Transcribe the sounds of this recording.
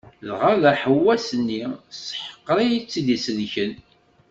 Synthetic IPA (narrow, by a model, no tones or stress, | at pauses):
lʁaðæħəwːæsənːisə̥ħə̥qːɾˤijit͡sːiðisəðçən